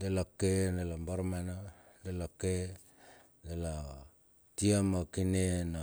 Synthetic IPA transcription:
delakenelambaɾmana | delake | dela | tiamakinena

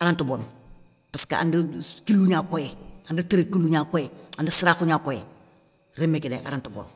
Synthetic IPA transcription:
aɾantubon | paska̰a̰ndukilːuɲakojeandutaɾekiluɲakojeandasiɾafuɲaːkojḛ | ɾemːekideʔa̰ɾantubo̰ːn

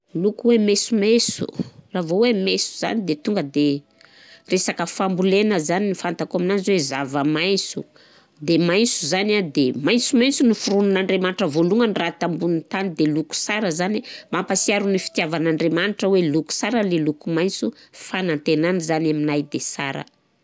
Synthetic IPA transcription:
lukuwemesumesṵravowemesu̥za̰nid̪et̪uŋɡəd̪e | resakəfambulenəzaninifant̪akaminanzwezavəmajsu | d̪emajnsuzanad̪emajnt͡sumajnt͡sunifuɾununaɳɖ͡ʐemaniʈ͡ʂəvoluŋənirat̪ambunint̪anid̪eluku̥saɾəzanimampasiaɾunifi̥t̪iavanaɳɖ͡ʐemaniʈ͡ʂəweluku̥saɾəlelukumajnt͡sufanant̪enanizanaminajd̪esa̰ɾə̰

